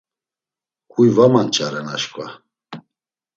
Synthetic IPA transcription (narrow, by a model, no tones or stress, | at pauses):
kʰʼujvamant͡ʃʼaɾɛnaʃkʼva̰